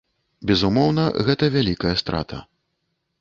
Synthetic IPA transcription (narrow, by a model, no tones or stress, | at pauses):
bʲɛzumɔwnɐɣɛt̪ɐvʲalʲikɐjɐst̪ɾa̰t̪ʰɐ̰